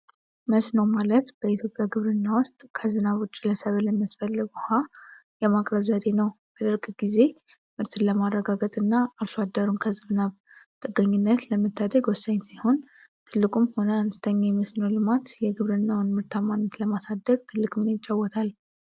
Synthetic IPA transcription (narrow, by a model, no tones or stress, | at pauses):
məsnəwmalət̪b̥əit̪ʰjo̞pʼjaɡɨβɾɨnːawʊst̪ʼkʰəzɨnaβot͡ʃʼːləsəβləmasfəlːəɡuhajɛmakʼɾəβzad̪e̞nəw | b̥əd̪ɨɾkʼɡize̞ | mɨɾt̪ʰɨnləmarːəɡaɡət̪ʼɨnːaːlsad̪ːəɾunkʰəzɨnɨnaβ | t̪ʼɨɡəɲːunːət̪ləmət̪ʰːad̪əɡwɔsːəɲsiho̞n | t̪ʰɨlːɨkʼumho̞nəanɨst̪ʰəɲːajməsnəwlɨmat̪jɛɡɨβɾɨnːawnmɨɾt̪ʰamanːət̪ləmasad̪ːəɡ̚t̪ʰɨlːɨkʼminəjt͡ʃʼːawːɔt̪ʰal